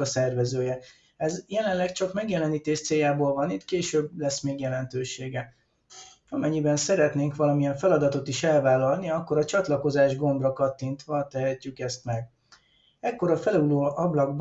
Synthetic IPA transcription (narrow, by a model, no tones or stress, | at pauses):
ɒsɛrvɛzøːjɛ | ɛzjɛlɛnlːɛkt͡ʃɒkmɛɡjɛlɛniːt̪eːʃt̪seːjaːboːlvɒnit̪keːʃøːblɛsmeːɡjɛlɛnt̪øːʃeːɡɛ | ɒmɛɲːibɛnsɛɾɛt̪neːŋkʋɒlɒmiɛɱfɛlɒd̪ɒt̪o̞t̪iʃɛlvaːlɒlniɒkːo̞ɾɒt͡ʃɒt̪lɒko̞zaːʒɡo̞mbrɒkɒt̪ːint̪ʋɒt̪ɛɦɛcːykɛst̪mɛɡ | ɛkːo̞ɾɒfɛluloːʔɒblɒɡb